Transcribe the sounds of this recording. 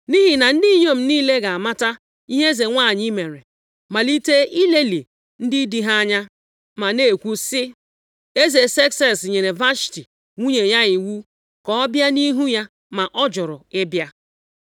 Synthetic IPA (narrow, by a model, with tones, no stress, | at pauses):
ni˦ɦi˨na˨n̩˦di˦ɲo˦m̩˨niː˦le˦ɡa˨a˨ma˦ta˦ | i˦ɦe˦ze˨ŋʷa˦˨ɲi˦me˨ɾe˨ | ma˨li˦te˦i˦le˦li˨ | n̩˦dɪ˦di˦ɦa˦ɲa˦ | ma˨ne˦˨kʷu˦sɪ˦ | e˦ze˨se˦ksɛ˦sɲe˨ɾe˨va˦si̥˨ti˨ | ŋʷu˦ɲe˨ja˦i˨wu˦ | kɔ˦ɔ˦bja˦ni˦ɦu˦ja˦ | ma˨ʔɔ˦d͡ʒʊ˨ɾʊ˨e˦bja˦